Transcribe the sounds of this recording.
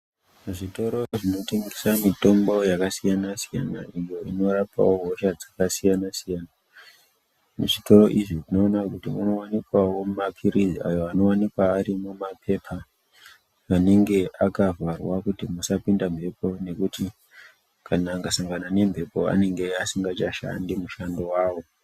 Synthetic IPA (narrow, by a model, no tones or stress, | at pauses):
uʐito̞ɾo̞ʐino̞teŋɡisamito̞mbo̞jakasijanasija̰na̰ʔijo̞ino̞ɾapa̰wo̞ɦoʃad͡zakasijanasijaːna | muʐito̞ɾo̞ʔiʐiʐino̞ːnakutimunowanikwawo̞makʰiɾizia̰jo̞ano̞wanikwaːɾimumapʰe̞pʰa | ʋane̞ŋɡe̞ʔakavwarwakutimusapindampe̞po̞ne̞kuti | kʰanaːŋɡasaŋɡanane̞mpe̞po̞a̰ne̞ŋɡe̞asiŋɡat͡ʃaʃa̰ndimuʃandowaːwo̞